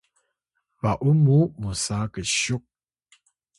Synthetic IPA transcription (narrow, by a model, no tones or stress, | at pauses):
vaʔumumusakəɕuk̚